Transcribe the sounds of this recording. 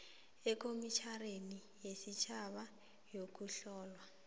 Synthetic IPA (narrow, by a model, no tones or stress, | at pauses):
ɛkʰomit͡ʃʰaɾeni | jesit͡ʃʰaβa | jok̬ʼuɬɔːlwa